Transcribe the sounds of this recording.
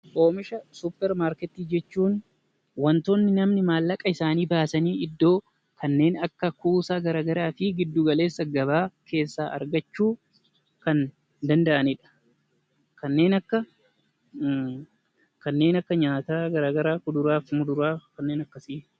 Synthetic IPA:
ʔo̞ːmɪʃɐsʊpːɛɾmaːɾkɛt̪ːiːd͡ʒɛt͡ʃːuːn | wɐnt̪onːɪnɐmnɪmaːlːɐkʼːɐɪsaːniːbaːsɐniːɪd̪ːo̞ː | kɐnːe̞ːnɐkːɐkuːsaːɡɐɾaːɡɐɾaːfɪɡɪd̪ːuːɡɐle̞ːsːɐɡɐβaːkʰe̞ːsːaːʔɐ̰ɾɡɐt͡ʃːuː | kɐn | d̪ɐnd̪ɐʔɐnɪᶑɐ̥ | kɐnːe̞ːnɐkːɐ | kɐnːe̞ːnɐkːɐɲaːt̪aːɡɐɾaːɡɐɾaːkʊd̪ʊɾaːfmʊd̪ʊɾaːkɐnːe̞ːnɐkːɐsiː

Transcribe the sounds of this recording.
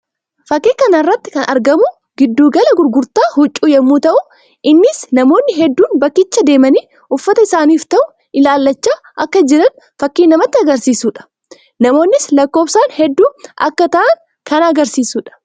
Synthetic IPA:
fɐkːeːkɐnɪrːɐt̪ːɪ̥kɐnʔɐ̰ɾɡɐmʊ | ɡɪd̪ːuːɡɐlɐɡʊɾɡʊɾt̪aːhʊt͡ʃʼːuːjɛmːuːt̪ɐʔʊ | ʔɪnːɪsnɐmo̞ːnːɪɦɛd̪ːuːnbɐkːɪt͡ʃːɐd̪e̞ːmɐniː | ʔʊfːɐt̪ɐɪsaːniːft̪ɐʔʊ | ʔɪlaːlːɐt͡ʃːaː | ʔɐkːɐd͡ʒɪɾɐn | fɐkːiːnɐmɐt̪ːɪɐɡɐɾsiːsuːᶑɐ̥ | nɐmo̞ːnːɪslɐkːo̞ːfsaːnhɛd̪ːuːʔɐ̰kːɐt̪ɐʔɐŋ | kɐnɐɡɐɾsiːsuːᶑɐ̥

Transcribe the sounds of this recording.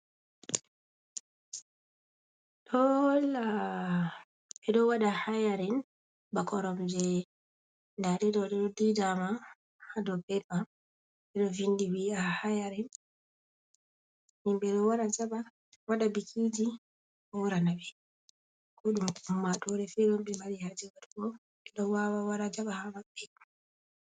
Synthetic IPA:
ɗɔla | ɛɗɔwaɗahajaɾɛn | bakɔɾɔmd͡ʒɛ | ndaɗɛɗɔɗɛɗɔdidama | hadɔbɛba | ɛɗɔvindiwiahajaɾɛn | nimbɛɗɔwaɾad͡ʒaba | waɗabikʰid͡ʒi | ɔwuɾanabɛ | kɔɗumumːatɔɾɛfɛɗɔmɓɛmbalihad͡ʒɛwatkɔ | ɛɗɔwawawaɾad͡ʒaɓahamaɓɛ

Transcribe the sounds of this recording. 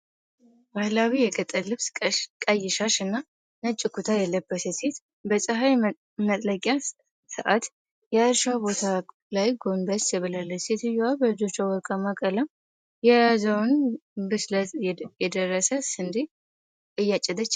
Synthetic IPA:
bahlawijɛɡʼət̪ʼːəlɨβsʼkʼəjɪʃaʃɨnːa | nət͡ʃʼːɪkʰut̪ʰajɛlːəbːəsɛset̪ | bəsʼɨɦaj | mət̪ʼləkʼja | sɨ̰ʔat̪ | jɛɾʃabo̞t̪ʰa | lajɡo̞mbəsjɛβɨlalːəset̪ɨjabəɨd͡ʒo̞t͡ʃːawɔɾkʼamakʼəla | jɛjazəwnbɨsləjɛd̪ərːəsəsɨnd̪i | ʔɨjːat͡ʃʼːɛd̪ət͡ʃː

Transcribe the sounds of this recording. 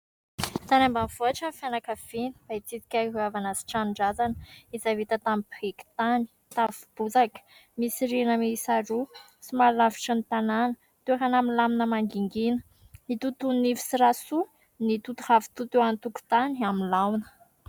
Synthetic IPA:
t̪anambavoaʈ͡ʂamfjanakəv̥ini̥b̥ait͡sit̪i̥kʲaɦuavanasi̥ʈ͡ʂanɳɖ͡ʐazanəizavit̪ət̪amipeki̥t̪ani̥ | t̪avi̥b̥ut͡sakə̥misiɾinəmisaɾu | simalavi̥ʈ͡ʂənit̪ananə | t̪uɦanamilaminəmaŋɡiŋɡinə | it̪ut̪unifi̥siɾasu | nit̪ut̪uhavi̥t̪ut̪ewant̪uku̥t̪aniamilawnə̥

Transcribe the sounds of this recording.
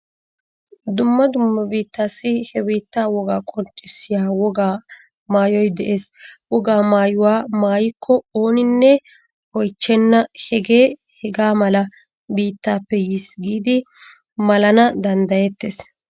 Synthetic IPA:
d̪ʊmːɐd̪ʊmːɐbiːt̪ːaːsːɪhɛbiːt̪ːaːwɔɡaːkʼɔnt͡ʃʼːɪsːɪjaːwɔɡaː | maːjɔjd̪ɛʔe̞ːswɔɡaːmaːjʊwaːmaːjɪkʰːɔoːnɪnːɛ | ɔjt͡ʃːɛnːɐhɛɡe̞ː | hɛɡaːmɐlɐ | biːt̪ːaːpːɛjiːsɡiːd̪ɪ | mɐlɐnɐd̪ɐnd̪ɐjɛt̪ːeːs

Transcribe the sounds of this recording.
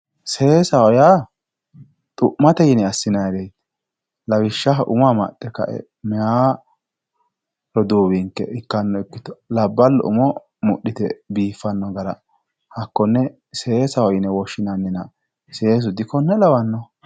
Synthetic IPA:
seːsɐwɔja | t̪ʼʊʔmːɐt̪ɛjɪnɛɐsːɪnɐjd̪ɛjt̪ | lɐwɪʃːɐɦʔʊmɐmɐ̰t̪ʼːɛkɐ̰ʔɛ̰ | mɛa | ɾɔd̪uːbɪŋkːɛ̰ʔɪkːɐnːɔɛkːɪt̪ɔ̥lɐbːɐlːɔ̰ʔʊ̰mɔ | mʊɗːɪt̪ɛbiːfːɐnːɔɡɐɾɐ̰ | hɐkːɔnːɛ | seːsɐwɔjɪnɛwɔʃːɪnɐnːɪnɐ | seːs̬ʊd̪ɪkːɔnːɛlɐwɐnːɔ

